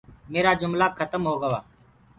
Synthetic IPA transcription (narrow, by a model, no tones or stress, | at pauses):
meːɾaːd͡ʒʊmlaːkʰət̪əmɦoːɡəʋa̰ː